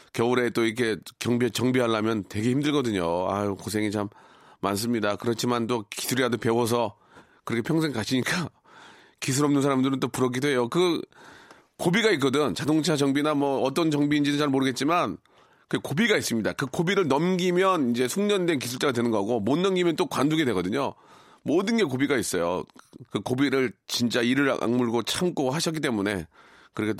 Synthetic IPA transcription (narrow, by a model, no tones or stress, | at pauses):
kjʌuɾe̞t͈oiɾkʰe̞kjʌŋbiat͡ɕʌŋbiɦalːamjʌntwe̞ɡe̞çimdɯɭɡʌdɯɲoa̰kosʰe̞ŋit͡ɕamː | a̰ns̬͈ɯmɲidakɯɾʌt͡ɕʰimant͈oki̥sʰuɾiadope̞wʌs̬ʰʌ | kɯɾʌkʰepʰjʌŋsʰe̞ŋkaɕʰiɲik͈a | kis̬ʰuɾʌmnɯns̬ʰaɾamdɯɾɯnt͈opuɾʌɡidoɦe̞jokɯ | kobiɡait̚k͈ʌdɯnt͡ɕadoŋt͡ɕʰat͡ɕʌŋbinamwʌːt͈ʌnt͡ɕʌŋbiːnd͡ʑinɯt͡ɕaɭmoɾɯɡe̞t̚t͡ɕ͈iman | kɯekobiɡais͈ɯmɲida̰kɯkobiɾɯɭnʌmɡimjʌnind͡ʑe̞sʰuŋɲʌndenkisʰuɭt͡ɕ͈aɡadwe̞nɯnɡʌɡomonːʌmɡimjʌnt͈okwanduɡedwe̞ɡʌdɯɲo̰ | modɯnɡe̞k̬obiɡais͈ʌjo̰kɯkobiɾɯɭt͡ɕint͡ɕ͈aiɾɯɾ̰ʔa̰ŋmuɭɡot͡ɕʰamk͈ohaɕʰʌk͈it͈emune̞̰ | kɯɾikʰe